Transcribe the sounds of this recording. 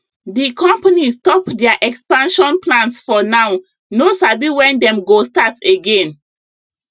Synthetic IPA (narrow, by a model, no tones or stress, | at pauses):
dikʰɔ̃mpanisstɔpdɛaʔɛkspãnʃɔ̃nplãnsfɔnaʊ | nosabiwɛ̃ndɛ̃mɡostateɡẽn